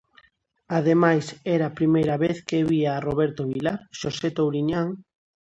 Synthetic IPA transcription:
aðemajsɛɾaːpɾimejɾɐβeθkeβiaːroβɛɾt̪oβilaɾʃoset̪owɾiɲaŋ

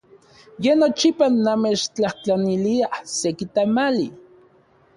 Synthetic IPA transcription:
jenot͡ʃipanamet͡ʃt͡ɬaht͡ɬaniliahsekit̪amali

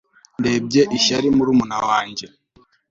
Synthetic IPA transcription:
ndeb̚ɟeʔiʃaɾimuɾumunawaːɲɟe

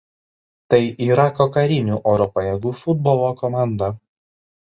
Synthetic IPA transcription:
t̪ɐɪiːɾɐkɔkɐɾʲɪnʲuːʔɔːɾɔpɐjɛɡuːfʊd̪̚bɔlˠoːkɔmɑˑnd̪ɐ

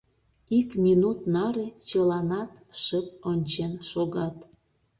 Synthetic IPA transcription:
ikminut̪nɑɾet͡ɕəlɑnɑt̪ʃəp̚onʲt͡ɕenʃoɣɑt̪

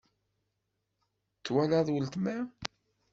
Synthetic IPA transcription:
t͡sːwælæðˤwəlt̪mæ

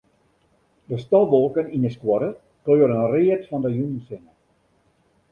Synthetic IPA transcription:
dəstɔlˠʋolˠkənindəskwɔɾə | køːəɾənriətfɔndəjunnsɪnə

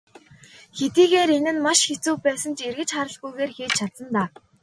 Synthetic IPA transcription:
xet̪iːɣeːɾenɘ̆nmaʃxet͡suːpæːsə̆nt͡ɕerɣɘ̆t͡ɕχaɾə̆ɮɡujɣeːrxeːt͡ɕt͡ɕʰat̪sə̆nt̪aː

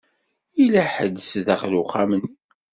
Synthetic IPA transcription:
ilæħəd̪ːəsðəχluχamənːi

